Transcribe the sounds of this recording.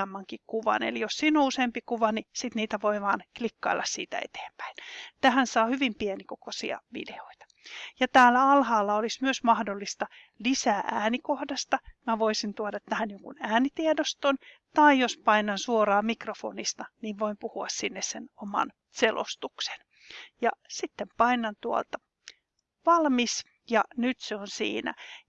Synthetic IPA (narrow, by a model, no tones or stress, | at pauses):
mːɑŋkikkuʋɑ̰nḛlijossiːnouseːmpikuʋɑnisit̪niːt̪æʋoiʋɑːnklikːɑ̰ilːɑ̰ssiːt̪æ̰ḛt̪e̥ːmpæ̥int̪æhænsɑːhyʋimpienikokosḭɑ̰ʋḭdeoit̪ɑ̥ | jɑt̪æːlːæɑlhɑːlːɑolismyøsmɑhdolːist̪ɑ | lisæːʔæːnikohdɑst̪ɑmæʋoisint̪uodɑt̪ːæhænjoŋkṵnæːnit̪iedost̪on | t̪ɑijospɑinːɑnsuorɑːmikrofo̰nist̪ɑniːʋʋoimpuhuɑssinːessenomɑ̰n | selo̰st̪ukse̥n | jɑsit̪ːempɑinːɑnt̪uo̰lt̪ɑ | ʋɑlmis | jɑnyt̪seonsḭːnæ̰